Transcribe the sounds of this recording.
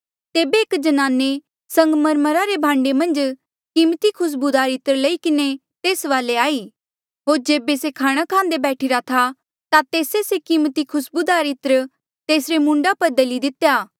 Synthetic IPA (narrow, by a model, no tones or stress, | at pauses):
t̪eːbeɪkd͡ʒɐnaːnːe | sɐ̃ŋɡməɾməɾaɾebʱãːɳɖemɐ̃nd͡ʒ | kɪmt̪ikʰʊs̬bud̪aːɾɪt̪ɾəlɐikɪne | t̪eːsʋaːleaːiː | ɦoːɾd͡ʒeːbesekʰaːɽ̃akʰãːnd̪ebɛːʈʰɪɾat̪ʰa | t̪at̪eːsesekɪmt̪ikʰʊsbud̪aːɾɪt̪ɾə | t̪eːsɾemʊ̃ɳɖapɐɾd̪ɐlid̪ɪt̪jaː